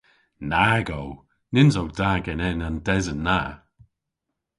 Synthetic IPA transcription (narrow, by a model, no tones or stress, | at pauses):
naɡow | nɪnzowdaɡɛnɛnandɛzənːa